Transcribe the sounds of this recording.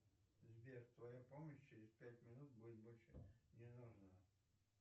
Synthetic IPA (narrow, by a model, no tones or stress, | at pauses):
zʲbʲeʐt̪vɐjapoməɕt͡ɕɪɾʲɪspʲætʲmʲɪnut̪̚budʲɪt̪̚bolʲʂənʲɪnuʐnə